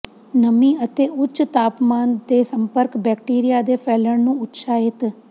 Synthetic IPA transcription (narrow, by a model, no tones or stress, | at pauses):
nəmĩːət̪eːʔʊtt͡ʃt̪aːpmaːnd̪eːsəmpəɾkbɛːkʈiːɾijaːd̪eːpʰɛːləɳnũːʊtʃaːɪt̪